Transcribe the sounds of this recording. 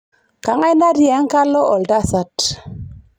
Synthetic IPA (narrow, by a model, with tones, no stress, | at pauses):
ka˨ŋa˦jna˦ɾja˨˦ŋ˦ka˦lɔ˦ɔ˨lda˦sa˨t